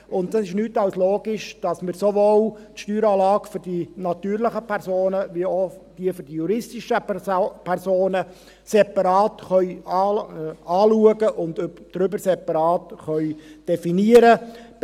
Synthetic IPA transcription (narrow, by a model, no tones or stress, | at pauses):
ʊnddɑsɪʃnyːtɑwsloːɡɪʃd̥ɑsmɪɾsovoːltʃtyːɾɑːlɑːɡfʏɾdinɑt̪yːɾləχəpʰɛɾsoːnəʋiod̥iəfyɾd̥ijuɾɪstiʃəpʰɛɾsoːnə | sɛpɑɾɑːtχœʏ | ɑːluəɡəʔʊndd̥ɾʏbəɾsɛpɑɾɑːtχœʏd̥ɛfiniəɾə